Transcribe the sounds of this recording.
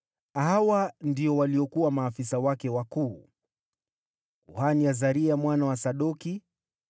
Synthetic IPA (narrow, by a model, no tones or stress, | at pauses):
aɦawandiɔwaliɔkuwamaːfisawakɛwakuː | kuhaniazaɾiamwanawasaɗɔki